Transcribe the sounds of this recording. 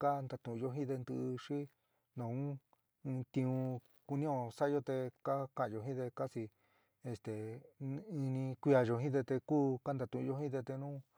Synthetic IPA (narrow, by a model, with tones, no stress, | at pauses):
ka˦nd̪a˧t̪ũ˧˨˧o˧ɦĩ˦ðe˧nd̪ɨ̰˧ʂi˦ | nõ˨ũ˦ | ɨ̃˧t̪ĩ˧ũ˧ | ku˧nĩ˦õ˧sa˦jo˧t̪e˧ka˦kã˧ʔjo˨ɦĩ˦ðe˧ka˦si˧ | e˧st̪e˨ | i˧nĩ˧kʷi˧a˧ʒo˧ɦĩ˦ðe˧t̪e˧kuː˦ka˦nd̪a˧t̪ũ˧ʔʒo˧ɦĩ˦ðe˧t̪e˧nũ˦